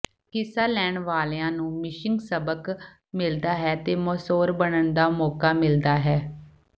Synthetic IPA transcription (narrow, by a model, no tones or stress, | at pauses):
kɪsaːlɛːɳʋaːlːãːnũːmɪʃɪŋɡsəbək | mɪld̪aːɦɛːt̪eːmɔːsoːɾbəɳənd̪aːmɔːkaːmɪld̪aːɦɛː